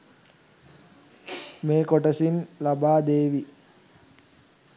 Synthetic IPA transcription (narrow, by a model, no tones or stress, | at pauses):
meːkoʈəsinlabaːd̪eːʋi